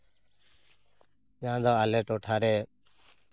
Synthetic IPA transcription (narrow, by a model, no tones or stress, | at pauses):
d͡ʒãːd̪ɔːaleʈoːʈʰaːɾeː